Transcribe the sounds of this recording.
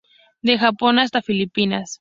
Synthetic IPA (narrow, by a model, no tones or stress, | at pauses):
d̪e̞xapo̞nas̬t̪afilipinas